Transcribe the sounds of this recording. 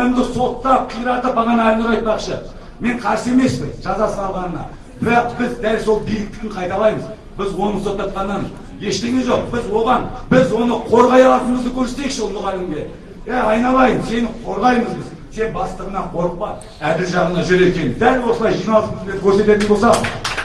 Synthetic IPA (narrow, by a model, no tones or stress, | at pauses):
ælɪmd̪ɪso̞t̪ːɑp̚qʰijəɾɑt̪əp̚bɑʁɑnəɑlʲnɪɾɑjt̪̚pɑqʃə | me̞ɴqʰɑɾse̞me̞spɪnʒ̥ɑzɑsəɑlˠʁɑnənɑ̰ | b̥ɪɾɑqbɪzd̪ælso̞lˠbijlɪk̚t̪ɪɡ̪ʲɪɴqʰɑjt̪ɑlˠɑjməz | bɪzwo̞nəso̞t̪ːɑp̪̚qɑnːɑn | je̞ʃt̪e̞ŋʲeʒo̞q̚b̥ɪzwo̞ʁɑnbɪzwo̞nəqʰo̞ɾʁɑjɑlˠɑt̪ənməzd̪əkʲʰɵɾset̪e̞jɪkʃɪʊlˠt̪ːəʁælɪmɡʲe̞ | æɑjnɑlˠɑjməzse̞nɪqʰo̞ɾʁɑjməzbɪz | t̪ʰe̞k̚bɑst̪əʁənɑqʰo̞ɾəq̚pɑ | æd̪ɪɾʒɑʁənɑʒʏɾe̞kʲe̞nɪd̪ælwo̞səlˠɑjʒijnɑlˠəɪnd̪eɪkʲʰɵɾse̞t̪e̞t̪ɪnbo̞lsɑ